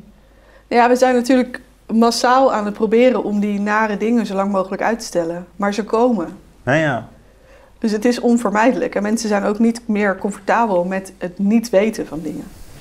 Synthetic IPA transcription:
jaːʋəzɛjnːatyːɹlək | masaːlˠaːnət̚prowbɪːrənʔɔmdinaːɾədɪŋəzowlɑŋmowχələkœ̰ɥtə̥stɛləmaːɹzəkowmə | d̥ɵs̬ɦətɪsɔnvəɹmɛjdələkɛnmɛnsəzɛjnowknitmɪːɹkɔɱfɔɹtaːbəlˠmɛtɦətnitʋejtəvɑndɪŋə

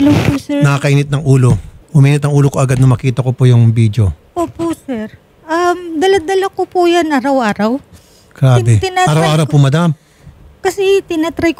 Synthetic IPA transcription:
lɐwpʊsɛɹnɐkakɐʔiːnɪt̪̚nɐŋʔuːlo̞hʊmiːnɪt̪̚nɐŋʔuːlokoʔɐɡad̪̚nɐmɐkiːt̪ɐkopojʊŋbid̪jo̞ʔoːposɛɾ | ʔɐmd̪ɐlɐd̪ɐlɐkopujanʔaɾɐwʔaːɾɐw | kɾaːd̪ɛt̪ɪnaʔaːɾawʔaːɾɐwpʊmɐd̪am | kɐsɛt̪ɪnɐt̪ɾajk

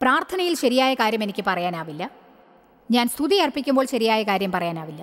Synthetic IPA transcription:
praːrt̪ʰɐnɐjilɕɐɾijaːjɐkaːɾjɐmenikʲːɨpɐrɐjaːnaːʋilːɐ | ɲaːnst̪ʰuðiɐrpːikʲːumbo̞ːɭɕɐɾijaːjɐkaːɾjɐmpɐrɐjaːnaːʋilːɐ

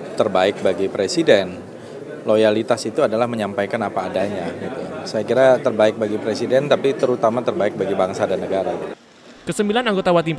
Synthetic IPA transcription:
t̪ərbaɪk̚baɡipɾesidɛn | lojalit̪asit̪uadalahməɲampajkanapaːdaɲaɡit̪usajakiɾat̪ərbaɪk̚baɡipɾesidɛnt̪apit̪əɾut̪amat̪ərbaɪk̚baɡibaŋsadanːəɡaɾa | kəsəmbilanaŋɡot̪awat̪̬i

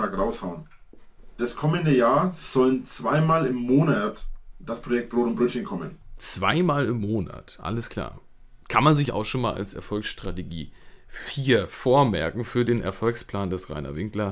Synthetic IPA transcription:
aːkʁaʊshaʊn | d̥askʰɔməndəjaːɐz̥ɔlənt͡sv̥aɪmaːlɪmːoːnatd̥aspʁ̥ojɛk̚t̚b̥ʁoːtʊnbʁɛtçənkʰɔmə̰nt͡sv̥aɪmaːlɪmːoːna̰tʔa̰ləskʰl̥a̰ːɐ | kʰanmanzɪça̰ʊxʃoːnmaːlʔa̰lsɛ̰ɐfɔlksʃtʁ̥ateɡḭːfiːɐfoːɐmɛ̰ɐkŋ̩fyːɐdeːnʔɛ̰ɐfɔlkspl̥aːndɛsʁa̰ɪnɐ̰vɪŋklɐ

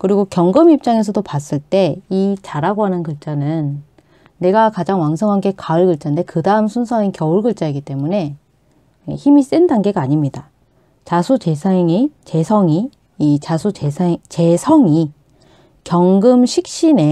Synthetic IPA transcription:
kɯɾiɡokjʌŋɡɯmip̚t͡ɕ͈aŋe̞s̬ʰʌdopas͈ɯɭt͈e̞it͡ɕaɾaɡoɦanɯnkɯɭt͡ɕ͈anɯnː | e̞ɡakad͡ʑaŋwaŋs̬ʰɯŋɦanɡe̞kaɯɭɡɯɭt͡ɕ͈ande̞kɯdaɯmsʰunsʰʌŋinkjʌuɭɡɯɭt͡ɕ͈aiɡit͈e̞mune̞ | ḛçimis͈endanɡe̞ɡaːɲimɲida | t͡ɕasʰut͡ɕe̞sʰaŋit͡ɕe̞sʰʌŋiː | t͡ɕasʰueat͡ɕe̞sʰʌŋi | kjʌŋɡɯmɕʰik̚ɕ͈ine̞

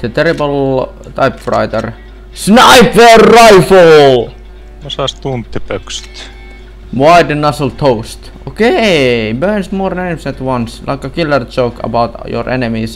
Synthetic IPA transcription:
ðət̪eɾibəl | t̪aɪpfrɑ̰ɪt̪ə̰r | snaɪpʋeːrːaɪfəl | osɑst̪unt̪ːipøkst̪ | waɪdənʌsəlt̪ʰoʊst̪ | okebɜnsmoːɾnenmsæt̪wʌ̃nslʔa̰ɪkːɑkilːəɹd͡ʒoʊkə̰baʊt̪jɔ̰ɹʔenemis

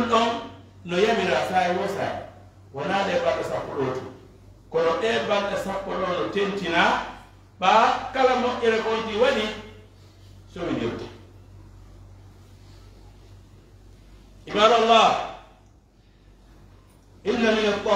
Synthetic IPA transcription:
ɗɔn | nɔjamiɾasajiwɔsa̰ | wanaːɗɛbalɗasakːɔɗoːtḭ | kɔɗɔɗɛbanɗasakːɔɗɔnɔtentina | ɓakalamɔʔɛɾɛkonkiwaɗi | sɔmid͡ʒo̰tːḁ | ʔibaːdalːa | ʔinːaminɔɔ

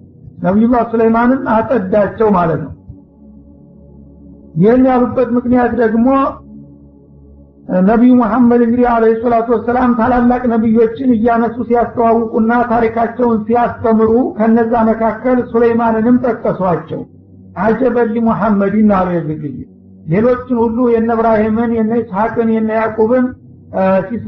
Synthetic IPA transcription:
nəβiasuləjmanɨnat̪ʼəd̪ːat͡ʃːɛwmalət̪nə̰w | jɪɦɛmːijalubːət̪mɨknijat̪d̪əɡmo̞ | nəβijmuħamːəd̪ɨŋɡɨd̪ialehisəlat̪uwɔsːəlamt̪ʰalalːakʼnəβijːo̞t͡ʃːɪnɨjːanəsʼusijast̪ʰəwawːɨkʼunːat̪ʰaɾikʰat͡ʃːɛwnsijast̪ʰəmɨɾukʰəɨnːəzːaməkʰakːəlsuləjmanɨnɨmt̪ʼət̪ʼːəswat͡ʃːɛ̰w | ʔad͡ʒɛbəlːimuħamːəd̪jɪnːalujɛzɨɡɨjː | le̞lo̞t͡ʃːɪnhulːujɛnːəβɾahemɨnjɛnːashakʼɨnjɛnːajakʼoβɨn | si

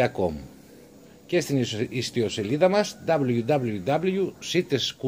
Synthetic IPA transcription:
akom | kest̪inist̪ioseliðamasd̪aβljud̪aβljud̪aβljusit̪esku

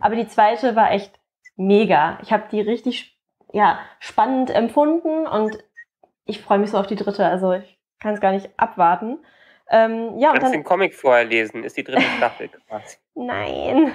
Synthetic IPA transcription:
ʔaːbɐdiːt͡sv̥aɪtəvaːɐʔɛçt | meːɡaːʔɪçhaːbəd̥iːʁɪçtɪç | jaːʃpanəntʔɛmfʊndn̩ʔʊ̰nt | ʔɪçfʁ̥ɔʏəmɪçsz̥oːaʊfd̥iːdʁɪtəalzoɪç | kʰansɡ̥aːɐnɪçtʔa̰pv̥aɐtn̩ | ʔɛːmjaːʊtd̥anːmkʰɔmɪkfoːɐhɛːɐleːzn̩ɪ̰std̥iːdʁɪtəʃtafl̩ɡvaːzi | na̰ɪn

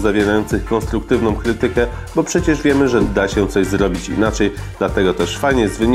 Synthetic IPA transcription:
zavʲjeɾajɔnt̪sɘxkɔnst̪ɾukt̪ɘvnɔ̃w̃kɾɘt̪ɘkɛ | bɔpʂɛt͡ɕɛʐvʲjɛmɘʐɛd̪aɕɛt̪sɔʑzɾɔbʲit͡ɕḭnat͡ʂɛj | d̪lat̪ɛɡɔt̪ɛʂfajɲɛzvɘɲ

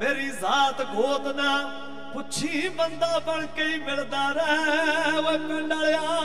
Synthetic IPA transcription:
meːɾiːzaːt̪ɡʱoːt̪naː | pʊt͡ʃʰiːbənd̪aːbəlkeiːmɪld̪aːɾɛ | oeːpɪlaːljaː

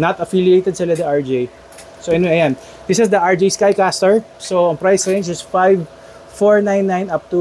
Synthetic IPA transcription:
nɐt̪ɐfilɪejt̪ɛd̪sɪlad̪ɐʔaɹd͡ʒej | soɐnwɛɐjan | d̪ɪsɪsd̪ɐʔaɹd͡ʒijskajkast̪ɛɹ | soɐ̃ŋpɹajsɹẽjnd͡ʒɪsfajv | foɹnãjnːãj̃nɐp̚t̪u

